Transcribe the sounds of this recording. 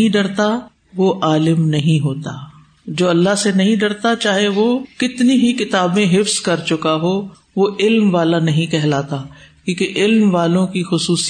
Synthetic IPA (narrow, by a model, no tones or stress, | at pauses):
ĩɖɐɽt̪a | ʋoʔaːlɪmnɐɦĩɦoːt̪aː | d͡ʒoːɐlːaɦsenɐɦĩɖɐɽt̪at͡ʃaːɦeʋokɪt̪niɦikɪt̪aːbmẽɦɪfz̥kɐɾt͡ʃʊkaɦoː | ʋoɪlmʋaːlanɐɦĩkɛɦlaːt̪akjũːkeʔɪlmʋaːlõkixʊsuːs